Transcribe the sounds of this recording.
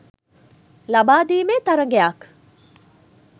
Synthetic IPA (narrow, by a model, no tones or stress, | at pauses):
lɐbaːd̪iːmeːt̪ɐɾɐŋɡeak